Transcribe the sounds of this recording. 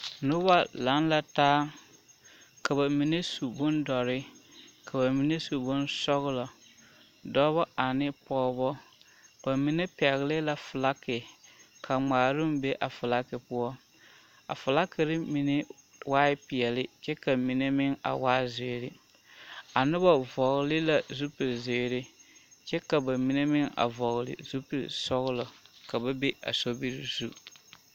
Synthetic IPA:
nʊ˦ba˦la˨˦nla˨taː˦ | ka˨ba˨mi˨ne˦su˨bʊ˦ndɔ˨ɾɪ˦kʰa˨ba˨mi˨ne˦su˨bʊ˦nsɔ˦ɣɪ˦lɔ˨ | dɔ˦βɔ˦a˨nɪ˦pɔː˦bɔ˦ | ka˨mi˨ne˦pɛ˨ɣɪ˨lɪ˦la˨fʊ˨la˦kɪ˨kʰa˨ŋ͡maː˨ɾʊ˦m˦be˦ʔa˨fʊ˨la˦kɪ˨pʊ˦ɔ˦ | a̰˨fʊ˨la˦kɪ˨ɾɪ˦mi˨nɪ˦ | waː˦ɪ˦pɪ˨ɛ˨lɪ˦t͡ʃɛ˦ka˨mi˨ne˦mɪ˦ŋa̰˨waː˦ze˨ɾɪ˦ | a˨nɪ˦bɔ˨vɔ˨ɣlɪ˦la˨zu˦pɪ˨ze˨ɾɪ˦t͡ʃɛ˦ka˨ba˨mi˦ne˦mɪ˦ŋa̰˨vɔ˨ɣlɪ̰˨zu˦pi˨sɔ˦ɣlɔ˨ka˨ba˦be˦ʔa̰˨so˦bi˦ɾɪ˨zu˦

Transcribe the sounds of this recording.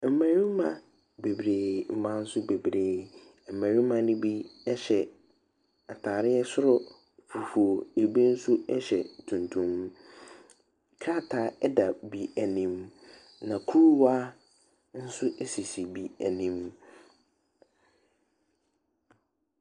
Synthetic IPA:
m̩˨mæ̃˨ɾĩ˦mã̰˨ | be˨bɾeː˨m̩˦˨mã˦n̩˦sʊ˦be˨bɾeː˨ | m̩˨mæ̃˨ɾĩ˦mã˨nɪ̃˦bi˦ɛ˦ɕɛ˨ | a˨tʰaː˨ɾɪ˦ɛ˦sʊ˦ɾʊ˨ | fu˨fu˨o˨e˨be˦n̩˦sʊ˦ɛ˦ɕɛ̰˨tʰũ˨ntʰũ˦m | kʰa˦˨tʰa˨˦ɛ˦da˨bi˨æ˨nĩ˨m | nã˨kʰu˦ɾwa˦ | n̩˦sʊ˦ʔe˦si˨si˨bi˨æ̰˨nĩ˨m

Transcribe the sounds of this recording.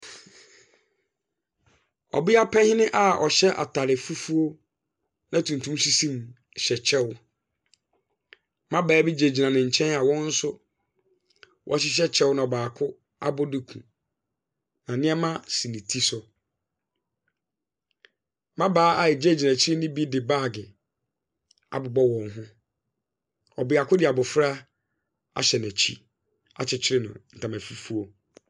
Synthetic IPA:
ɔ̰˨bi˦a˦pʰɛ̃˦hɪ̃˦nɪ̃˦ʔa˦ɔ̰˨ɕɛ˦ʔa̰˨tʰa˨ɾɪ˨fu˦fu˦o˦ | nã˨tʰũ˨n˨tʰũ˦msi˦sĩ˦m | ɕɛ˨t͡ɕʰɛ˦w | mã˦bɛː˨˦bi˦d͡ʑe˨d͡ʑi˨nã˨nɪ̃˨ɲ̩˨t͡ɕʰɛ̃˦na˨wɔ̃˦n̩˦sʊ˦ | wʔɔ̰˦ɕ̬ɪ˦ɕ̬ɛ˦t͡ɕʰɛ˦wʊ˦nã˨ɔ˨baː˨kʰʊ˦ | a̰˦bʊ˦dɪ˦kʰṵ̃˨ | nã˨nɪ̃˦ɛ˦mã˦si˨nĩ˨tʰi˦sʊ˨ | mã˦baː˨˦a˦˨jɪ˨d͡ʑe˦˨d͡ʑi˨nã˨t͡ɕʰɪ˦ɾɪ˦nɪ̃˦bi˦dɪ˨ba˦˨ɡɪ˨ | a̰˨bʊ˨bɔ˦wɔ̃˨nɦʊ̃˦ | ɔ˨bɪ˨a˨kʰʊ˦dɪ˨a˨bʊ˨fɾa˦ | a̰˨ɕɛ˨næ˨t͡ɕʰḭ˦ | a̰˨t͡ɕʰɪ˨t͡ɕʰɪ˦ɾɪ˦nʊ̰̃˨n̩˨tʰã˨mæ˨fi˦fu˦o˨

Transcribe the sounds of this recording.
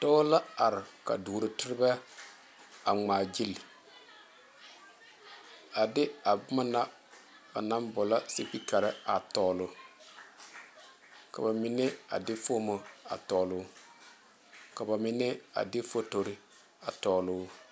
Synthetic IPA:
tɔ˦la˦a˨ɾɪ˨ka̰˨duː˨ɾɪ˨tɪ˦ɾɪ˦ba˦ | a˨ŋ͡maː˨d͡ʒi˦lɪ˨ | a˨dɪ˦a˨bʊ˦ma˦na˦ | ba̰˨na˦mbʊ˨la˦sɪ˦pi˦ka˨ɾɪ˦a˨tɔː˨lʊ˨ | ka̰˨ba˨mɪ˨nɛ˦a̰˨dɪ˦foː˦mo˦a̰˨tɔ˨lʊ˦ | ka˨ba˨mɪ˨nɛ˦a̰˨dɪ˦fo˦to˨ɾɪ˦ | a˨tɔː˨lʊ˦

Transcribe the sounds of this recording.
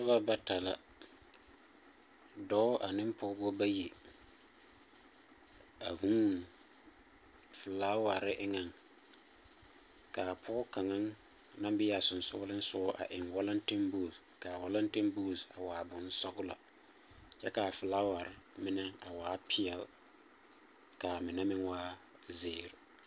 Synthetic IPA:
sʊ˦ba˦ba˦ta˨la˦ | dɔ˦ʊ˦ʔa˨nɪ˦m˦pɔ˦bɔ˦ba˦je˨ | a˨hũ˦˨ | fʊ˨laː˦wa˨ɾɪ˦ʔɪ˦ŋa˨ŋ | kaː˨pʰɔ˦ʊ˦ka˨ŋa˦ŋ | nã˦mbɪ˦ja˨sʊ˨n˨sʊ̰˦lɪ˦n˦sʊ˦ʊ˦ʔa̰˨ʔɪ˨ŋwa˦la˦n˦tɪ˦mbuː˦˨s | kaː˨wa˦la˦n˦tɪ˦mbu˦˨sa˨waː˨bʊ˨n˦sɔ˦ɡʊ˦la̰˨ | t͡ʃɛ˦ka˨fʊ˨laː˦wa˨ɾɪ˦mɪ˦nɛ˦a˨waː˨˦pʰɪ˦ɛ˨l | ka˨mɪ˨nɛ˦mɪ˦ŋwaː˦ | zɪː˨ɾɪ˨

